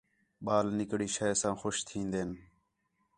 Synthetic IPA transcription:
ɓaːlnɪkɽiːʃəːsãːxoʃt̪ʰĩːnd̪eːn

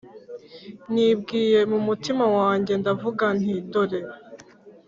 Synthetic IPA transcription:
nib̚ɡiːɾe̞mumutimawaːɲɟe̞ndavuɡan̥hidoɾeɾ

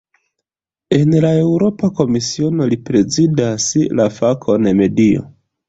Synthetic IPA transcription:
e̞nlae̞wɾo̞pako̞misio̞no̞lipɾe̞zidaslafakʰo̞neme̞dio̞̰

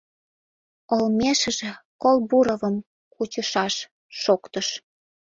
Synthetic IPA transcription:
olmeʃə̆ʒĕkolbuɾəvəm | kut͡ɕəʃɑʃː | okt̪əʃ

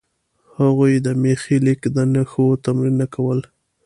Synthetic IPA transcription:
haɣujd̪əmexilɪkd̪ənaxot̪amɾinːakawəl

